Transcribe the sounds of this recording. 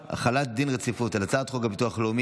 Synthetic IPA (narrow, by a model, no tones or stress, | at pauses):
a̰χalat̚d̪inʁet͡sifutalat͡saːt̪χoɡabituaχlomi